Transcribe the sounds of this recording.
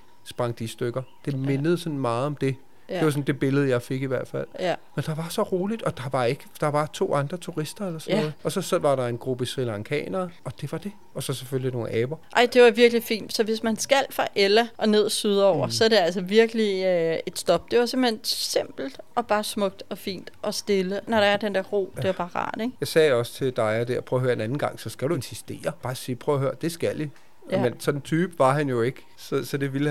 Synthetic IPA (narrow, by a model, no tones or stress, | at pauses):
sb̥ʁɑ̈ŋd̥isd̥øɡ̥ɐd̥e̝menəð̞̩ˠsɒ̽nmɑ̈ːð̩ˠɒ̽md̥e̝ | deʋɑ̈s̬ɔ̽nd̥e̝b̥e̝ləð̞̩ˠjɑ̈ɪfe̝ɡ̥iʋæɐd̥fæl̰mend̥ɑ̈ʋɑ̈sɒ̽ʁo̝ːlid̥ɒ̽d̥ɑ̈ʋɑ̈e̝ɡ̥əd̥ɑ̈ʋɑ̈t͡sʰo̝̰ːɑ̈nd̥ʁɐt͡sʰuʁisd̥ɐelɐsɔnð̩ˠɒ̽sɒ̽sɒ̽ʋɑ̈ɾ̥ɑ̈e̝nɡ̥ʁub̥əsʁilɑŋkʰɛ̰ːnɐʔɒ̽d̥e̝ʋɑ̈d̥e̝ | ɒ̽sɒ̽seføllino̝ːnʔɛːb̥ɐʔɑɪ̰d̥e̝ʋɑ̈ʋiɐɡ̥lifḭːnd̥sɒ̽ʋe̝smænsɡ̥æl̰fʁɑʔelɐʔɒ̽ne̝ð̞̰ˠsyð̞ˠɐɒʊ̰ɐsɒ̽ɐɾ̥e̝æl̰sɒʋiɐɡ̥əliøe̝d̥sd̥ɒ̽b̥̚d̥e̝ʋɑ̈se̝m̰b̥̩hḛnse̝m̰b̥l̩d̥ɒ̽b̥ɑ̈ːsmɔ̽ɡ̥̚d̥ɒ̽fḭːnd̥ʔɒ̽sd̥e̝lənɒɾɑ̈æɐd̥end̥æɐʁo̝̰ːd̥e̝æɐb̥ɑ̈ːʁɑ̰̈ːd̥eɡ̥jɑ̈ɪsɛ̰ːɒ̽st͡sʰe̝ld̥ɑ̈ɪæd̥eɐpʰʁœʊːɐhøːɐenænn̩ɡ̥ɑ̈ŋ̰sɒ̽sɡ̥æd̥uensisd̥e̝̰ːɐb̥ɑ̈ːsiːpʰʁœʊɐɦøːɐd̥e̝sɡ̥æl̰i | mensɒ̽d̥n̩t͡sʰyːb̥ʋɑ̈ɦænjo̝e̝ɡ̥ə | sɒsɒ̽d̥e̝ʋil